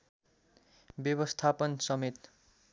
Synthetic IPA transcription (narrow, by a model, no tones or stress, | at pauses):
bjʌβʌst̪ʰapʌnsʌmet̪